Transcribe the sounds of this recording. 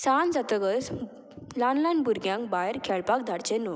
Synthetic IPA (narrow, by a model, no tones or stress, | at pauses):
sand͡zat̪əɡəs | lanlajnbuɾɡjãŋkbaɦeɾkʰɛɭpak̚d̪ʱaɽt͡ɕeno